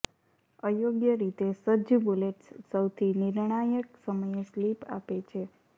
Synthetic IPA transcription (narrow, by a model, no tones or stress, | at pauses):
əjoɡjəɾit̪esəd͡ʒəbuleʈsːəwt̪ʰinɪɾɳ̃ajəksəməjeslipa̰pet͡ʃʰe